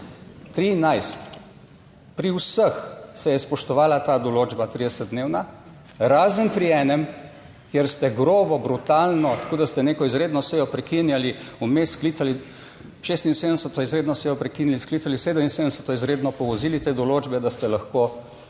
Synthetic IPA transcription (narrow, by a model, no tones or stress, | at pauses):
t̪ɾinajst̪ | pɾiwsəxsɛjɛspɔʃt̪ɔʋaːlat̪aːd̪ɔloːd͡ʒbat̪ɾiːd̪ɛsət̪̚d̪neːwna | ɾaːzənpɾiɛːnɛm | kjeɾst̪ɛɡɾoːbɔbɾut̪aːlnɔt̪ḁkoːd̪ast̪ɛneːkɔizɾed̪nɔsɛjɔpɾɛkinjaliumeskliːt̪sali | ʃeːst̪insed̪nsət̪ɔizɾeːd̪nɔsɛjɔpɾɛkinilisklit̪saliseːd̪əminsed̪sət̪ɔizɾeːd̪nɔpɔʋɔziːlit̪eːd̪ɔloːd͡ʒbɛd̪ast̪ɛlaxko